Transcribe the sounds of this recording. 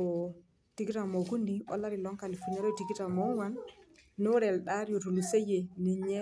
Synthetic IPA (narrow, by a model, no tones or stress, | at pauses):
ɔ | d̥iɡitamoɡundiʔɔ̰laɾilɔŋkalifunɛɾɔdiɡitamɔwanː | ɔɾɛlɗaɾjɔdulusejɛniɲɛ